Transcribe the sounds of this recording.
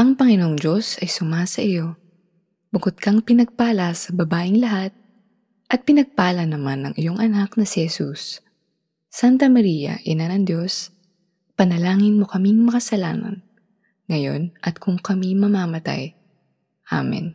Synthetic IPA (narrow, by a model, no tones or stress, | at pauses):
ʔɐŋpɐŋɪnoŋd͡ʒo̞sɐjsʊmasɐʔɪjo̞ | bʊkod̪̚kɐŋpɪnɐɡ̚paːlɐsɐbɐbaːʔɪŋlɐɦat̪̚ | ʔɐt̪̚pɪnɐɡ̚paːlɐnɐmanːɐ̰ŋʔɪjo̞ŋʔɐnaknɐsɪhɛsusː | ant̪ɐmɐɾiːjɐ̰ʔɪnanɐŋd̪jo̞s | pɐnɐlaːŋɪnmo̞kɐmiŋmɐkɐsɐla̰ːnɐ̰n | ŋɐjo̞̰nʔɐt̪̚kʰʊŋkɐmimɐmaːmɐt̪a̰j | ʔa̰mɛ̰n